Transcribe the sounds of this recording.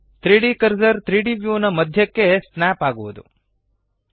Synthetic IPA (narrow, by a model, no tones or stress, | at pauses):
t̪ɾiːɖikɐɾzɐɾt̪ɾiːɖiʋjuːnɐmɐd̪ʱjɐkːe̞snaːpaːɡuʋud̪ṵ